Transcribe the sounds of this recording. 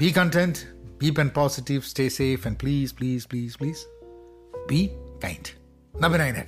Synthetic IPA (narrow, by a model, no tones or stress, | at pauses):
b̥iːkə̃nʈɛ̃nʈb̥iːpɛ̃n̚pɔːsɪʈiʋsʈeːseːfɛ̃ɳɖ̚pliːzpliːzpliːzpliːz̥ | biːkã̰ɪ̃nɖ | nʌbɪ̃nãɪ̃nɛ̰ʈ